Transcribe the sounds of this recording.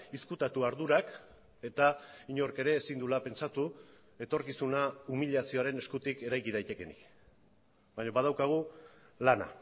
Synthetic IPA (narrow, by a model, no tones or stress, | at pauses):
iskut̪at̪uaɾðuɾak | e̞t̪aiɲo̞rke̞ɾe̞ːsind̪ulape̞nt͡ʃat̪u | e̞t̪o̞ɾkisunaumiʎasio̞aɾe̞ne̞skut̪ike̞ɾajkið̞ajt̪e̞ke̞nḭk | baɲoβað̞awkaɣ̞u | lana̰